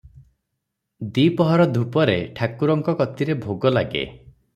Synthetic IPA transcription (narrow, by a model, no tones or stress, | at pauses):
d̪ipɔɦɔɾɔd̪ʱupɔɾeʈʰakuɾɔŋkɔkɔt̪iɾebʱoɡɔlaɡḛ